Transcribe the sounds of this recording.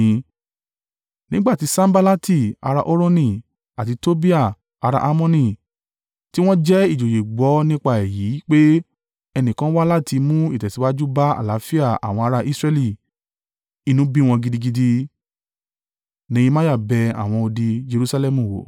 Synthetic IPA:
nĩ˦ɡ͡ba˦˨ti˨˧sã˦m˦ba˧la˦ti˦˨a̰˧ɾa˧ʔo˦ɾo˦nĩ˧˨ | a˨ti˨˧to˦bi˦a˦˨ | a˧ɾa̰˧ʔa˦mɔ̃˦nĩ˦˨ | ti˦w̃ɔ̃˦d͡ʒɛ˦i˦˨d͡ʒo˨je˨ɡ͡bɔ˨˦nĩ˦k͡pa˦ɛ˨ji˨˦k͡pe˦ | ɛ˧nĩ˨kã˦wa˦la˦˨ti˧mũ˦ḭ˦˨tɛ˨ti˨˦wa˦d͡ʒu˦ba˦a̰˦˨la˨˦fi˦a˦˨a̰˨w̃ɔ̃˧a˧ɾa˧ʔi˦sɾɛ˧li˦˨ | i˨˧nũ˨˦bĩ˦w̃ɔ̃˧ɡi˧di˧ɡi˧di˧ | nĩ˧˦ĩ˧mã˦ja˦˨bɛ˧a̰˨w̃ɔ̃˧o˧di˧d͡ʒe˧ɾu˦sa˧lɛ˦mũ˨wo̰˨

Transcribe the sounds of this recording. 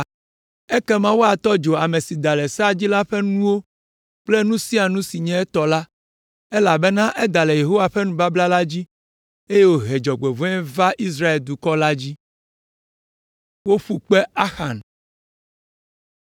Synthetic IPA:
ɛ˦kɛ˦mã˦wo˦a˨t̪ɔ˦d͡ʒo˨a˨me˨si˨d̪a˨lɛ˨sa˦d͡ʑi˦la˦ɸɛ˦nũ˦wo˦ | k͡plɛ˦nũ˦si˦a˨nũ˦si˨ɲɛ̃˦ɛ˦t̪ɔ˨la˦ | ɛ˦la˨bɛ˦nã˦ʔɛ˦d̪a˨lɛ˨je˨ɦo˦wa˨ɸɛ˦nũ˦ba˦bla˦la˦d͡ʑi˦ | e˦je˦wo˦ɦe˨d͡ʒɔ˨ɡ͡be˨vɔ̃˦ɛ˦va˦ʔi˦s̬ɾa˦e˨ld̪u˨kɔ˦la˦d͡ʑi˦ | wo˦ɸu˦k͡pɛ˦a˦xa̰˨n

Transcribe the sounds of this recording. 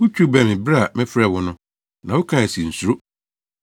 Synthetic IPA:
wʊ˦t͡ɕʰᶣu˦˨bɛ˨mɪ̃˨bɾa˦˨mɛ̃˦fɛ˨wʊ˦nʊ̃˦ | nã˨wʊ˦kʰã˦˨ɛ˨si˨n̩˨su˨ɾo˦

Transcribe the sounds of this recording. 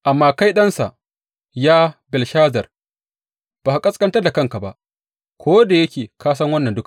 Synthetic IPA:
ʔa˨mːaː˨ka˦jɗɐ˦nsa̰˨ʔ | jaː˦bɛ˨lʃaː˦zɐ˨r | b̥aː˨ha˨kʼɐ˦skʼɐ˦ntɐ˦rda˨kɐ˦ŋka˨ba˦ʔ | kʷoː˦da˨jɐ˦kʲeː˨kʰaː˦sɐ˦ŋwɐ˦nːɐ˨ndʊ˦ka˨

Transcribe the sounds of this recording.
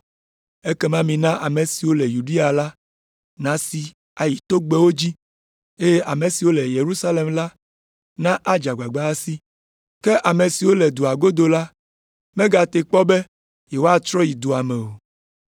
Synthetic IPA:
e˦kɛ˦mã˦mĩ˨nã˦ʔa˨mẽ˨si˨wo˦lɛ˨ju˨ɖi˦a˨la˦ | nã˨si˨ | a˨ji˨t̪o˦ɡ͡be˦wo˦d͡ʑi˦ | e˦jɛ˦ʔa˨mẽ˨si˨wo˦lɛ˨je˨ɾu˦sa˦le˨mla˦ | nã˦ʔa˦d͡ʒa˨ɡ͡ba˨ɡ͡ba˦a˦si˦ | kɛ˦ʔa˨mẽ˨si˨wo˦lɛ˨d̪u˨a˨ɡo˦d̪o˨la˦ | mɛ̃˦ɡa˨t̪e˨k͡pɔ˦bɛ˦ | jɛ˨wo˦a˦t̪ɾɔ˦ji˨d̪o˨a˨mɛ̃˨o˨

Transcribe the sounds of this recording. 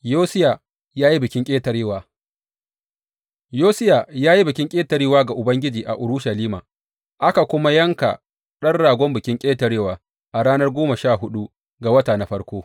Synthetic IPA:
joː˦sɪ˦ja˨ | jaː˦ji˦bɪ˨kʲɪ˦ŋkʲʼeː˦tɐ˨ɾeː˦waː˨ | joː˦sɪ˦ja˨jaː˦ji˦bɪ˨kʲɪ˦ŋkʲʼeː˦tɐ˨ɾiː˦waː˦ɡa˨ʔʊ˨bɐ˦ŋɡʲɪ˦d͡ʒiː˨ʔa̰˨ʔʊ˨ɾʊ˦ʃa˨liː˦ma̰ː˨ | ʔa˦ka˨kʷʊ˦ma˦jɐ˦ŋka̰˨ | ɗɐ˦rɽaː˨ɡʷɔ˦mbɪ˨kʲɪ˦ŋkʲʼeː˦tɐ˨ɾeː˦waː˨ | ʔa˨ɽaː˦nɐ˦rɡʷoː˦ma˨ʃaː˦˨ɦʊ˦ɗu˦ | ɡa˨wɐ˦taː˨na˨˦ɸɐ˦rkʷoː˦

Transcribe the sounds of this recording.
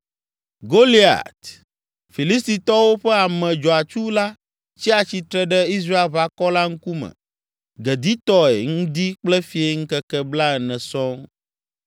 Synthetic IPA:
ɡo˦li˦a̰˨t̪ | fi˨li˦st̪i˨t̪ɔ˦wo˦ɸɛ˦a˨mɛ̃˨d͡ʒɔ˨a˨t͡ʃu˦la˦ | t͡ɕi˦a˨t͡ɕi˨t̪ɾɛ˦ɖɛ˦i˦s̬ɾa˦e˨lβa˨kɔ˦la˦ŋ̩̃˦ku˦mɛ̰̃˨ | ɡɛ˨d̪i˦t̪ɔ˦ɛ̰˨ŋũ˦d̪i˦k͡plɛ˦fi˨˦e˨ŋ̩˦kɛ˦kɛ˦bla˦ɛ˨nɛ̃˨sɔ̃˦

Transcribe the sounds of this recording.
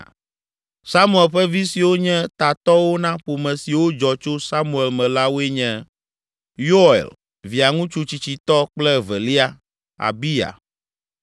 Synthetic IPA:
sa˦mu˦˨e˨lɸɛ˦vi˦si˨wo˦ɲɛ̃˦t̪a˨t̪ɔ˦wo˦nã˦ɸo˨mɛ̃˨si˨wo˦d͡ʒɔ˨t͡ʃo˦sa˦mu˨e˨lmɛ̃˨la˦wo˦e˦ɲɛ̃˦ | jo˦˨ḛ˨l | vi˨a˨ŋũ˦t͡ʃu˦t͡ɕi˨t͡ɕi˨t̪ɔ˦k͡plɛ˦vɛ̰˨li˦a˦ | a̰˨bi˦ja̰˨

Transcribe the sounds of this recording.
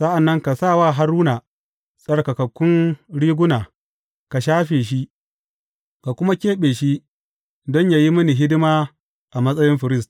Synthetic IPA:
sɐ˦ʔa˨nːɐ˦ŋka˨saː˦˨waː˦˨ɦa˦ɾuː˦na˨ | sʼɐ˦rka˨kɐ˨kʷːʊ˦nɽiː˦ɡʷʊ˦naː˨ | ka˨ʃaː˦ɸeː˨ʃ̬i˦ | ka˨kʷʊ˦ma˦kʲeː˦ɓeː˨ʃi˦ | dɔ˦ɲja˨ji˦mɐ˦ni˨ɦɪ˦dɪ˦maː˦ | ʔa˨mɐ˦sʼɐ˦jɪ˦mɸɪ˨ɾɪ˦st

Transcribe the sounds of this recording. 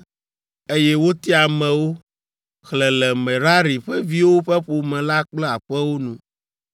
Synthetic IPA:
e˦jɛ˦wo˦t̪i˦a˨mɛ̃˨wo˦ | xlɛ˨lɛ˨mɛ̃˨ɾa˦ɾi˨ɸɛ˦vi˦wo˦ɸɛ˦ɸo˨mɛ̃˨la˦k͡plɛ˦a˨ɸɛ˦wo˦nũ˨

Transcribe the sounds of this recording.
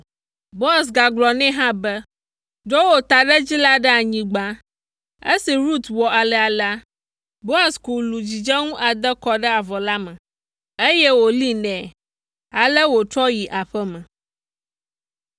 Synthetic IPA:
bo˦a˨s̬ɡa˨ɡ͡blɔ˨nɛ̃˦ɦã˦bɛ˦ | ɖo˦wo˦t̪a˨ɖɛ˦d͡ʑi˦la˦ɖɛ˦a˨ɲĩ˨ɡ͡bã˦ | e˦si˨ɾu˦t̪wɔ˨a˨lɛ˨a˨la˦ | bo˦a˨sku˨lu˨d͡ʑi˨d͡ʒɛ˦ŋũ˦ʔa˨d̪ɛ˦kɔ˨ɖɛ˦a˨vɔ˨la˦mə̃˨ | e˦jɛ˦wo˨li˦nɛ̃˨ | a˨lɛ˦wo˨t͡ʃɔ˦ji˨ʔa˨ɸɛ˦mɛ̃˨

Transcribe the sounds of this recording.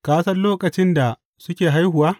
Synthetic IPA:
kaː˦sɐ˦rloː˦kʼɐ˨t͡ʃɪ˦nda˨ | sʊ˦kʲeː˨ɦa˦jhʊ˨waː˦

